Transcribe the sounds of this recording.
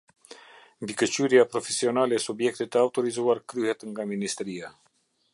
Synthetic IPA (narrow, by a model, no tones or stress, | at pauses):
mbikət͡ɕyɾjapɾɔfɛsiɔnalɛsubjɛk̚t̪it̪əawt̪ɔɾizuaɾkɾyhɛt̪ŋɡaminist̪ɾia